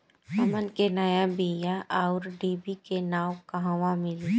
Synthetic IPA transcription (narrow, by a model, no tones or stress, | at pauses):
əmənkenəjabiːjaʔaʊɾɖiːbikenaːwkɐɦãʋãmɪli